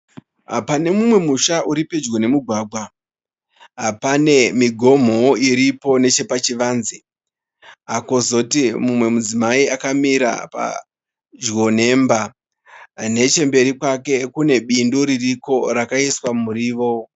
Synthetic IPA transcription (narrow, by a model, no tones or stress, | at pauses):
pane̞mumwe̞muʃaʔuɾipe̞d͡ʒɡo̞ne̞muɡʱwaːɡʱwa | ɦpane̞miɡʱo̞m̤o̞iɾipo̞ne̞t͡ʃe̞pat͡ʃiʋaːnzi | ɦakozo̞timumwe̞mud͡zimaiakamiɾa̰pa̰ | d͡ʒwo̞ne̞mba | ne̞t͡ʃe̞mbe̞ɾikwake̞kune̞ɓinduɾiriko̞ɾakaiswamuɾiːʋo̞